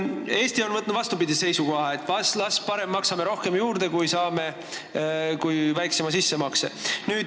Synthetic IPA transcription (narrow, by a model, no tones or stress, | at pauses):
e̞ːsʲt̪io̞nmɤt̪ːˑnd̪vɑst̪upid̪ʲise̞jsuko̞hɑe̞t̪ːˑvɑslɑspɑɾe̞mːɑksɑme̞ɾo̞hke̞mjuːɾd̪̥e̞kujsɑːme̞ | kujvæjksemɑsisːe̞mɑksḛnyːd̪